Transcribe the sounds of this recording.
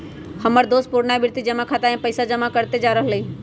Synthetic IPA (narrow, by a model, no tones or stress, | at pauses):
hɐməɾd̪oːs̚pʊɾnabɪɾt̪id͡ʒɐmakʰat̪aɛ̃pəɪsad͡ʒɐmakəɾt̪ed͡ʒaːɾəɦələiː